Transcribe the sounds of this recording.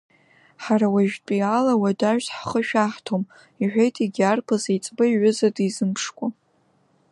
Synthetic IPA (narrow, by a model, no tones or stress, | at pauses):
ħaɾawaʒtʼialawadaʒᶣsħχəʃᶣaħtʰom | iħʷᶣejtʰiɡʲarpʰazejt͡sʼbaiʕʷʊzadizɨmpʰʂkʷʼa